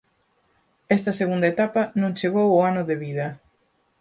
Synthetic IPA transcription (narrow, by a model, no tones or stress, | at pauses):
ɛst̪ɐseɣũnd̪ɐet̪apɐnõŋt͡ʃeɣ̞owʊanʊðeβiðɐ